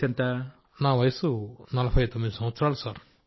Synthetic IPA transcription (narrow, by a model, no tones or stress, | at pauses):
t̪ɐnt̪ɐ | naːʋɐjɐsunɐlɐbʱɐjt̪omːid̪isɐmʋɐt̪sɐɾaːlusaːɾ